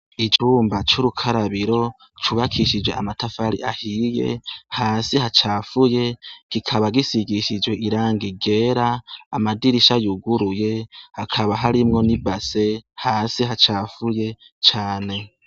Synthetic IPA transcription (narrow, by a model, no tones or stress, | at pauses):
it͡ʃuːmbat͡ʃuɾukʰaɾaβiɾo̞ | t͡ʃuβakʰiʃid͡ʒweamatafaɾḭʔahijḛhaːsihat͡ʃaːfuje̞ɡ̥ikʰaβaɡisiɡiʃid͡ʒwe̞ʔiɾaːŋɡiɡe̞ɾaːmadiɾiʃajuɡuɾuje̞hakʰaβaɦaɾimŋo̞nibase̞haːsiɦat͡ʃaːfuje̞ | t͡ʃaːne̞